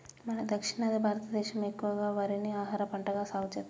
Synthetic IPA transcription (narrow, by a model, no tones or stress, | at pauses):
mɐnɐd̪ɐkʂiɳɐd̪ibʱaːɾɐt̪ɐd̪ɛːʃɐmekːuʋɐɡaːʋɐɾiniaːɦaːɾɐpɐɳʈɐɡaːsaːɡut͡ʃɐt̪ː